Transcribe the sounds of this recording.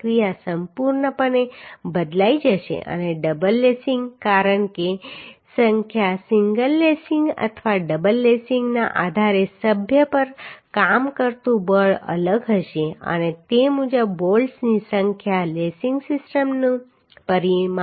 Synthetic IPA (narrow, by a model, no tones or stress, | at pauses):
kɾijasəmpuɾɳəpəɳebəd̪laid͡ʒəʃḛʔə̰neɖəbəlːesiŋɡkaɾəɳkesəŋkʰjasiŋɡəlːesĩŋɡə̰t̪ʰʋaɖəbəlːesiŋɡnaʔad̪ʱaɾesəbʱjəpəɾkamkəɾt̪ũbəɭə̰ləɡɦəʃeə̰net̪emud͡ʒəbːolsnisəŋkʰjalesiŋɡsɪsʈəmnũ | pəɾim